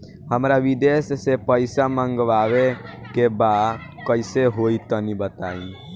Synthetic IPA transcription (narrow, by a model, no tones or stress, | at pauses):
həmɾaʋid̪essepəɪsaməŋɡʋaʋe | kebad̪kəɪseɦoit̪ənibət̪ai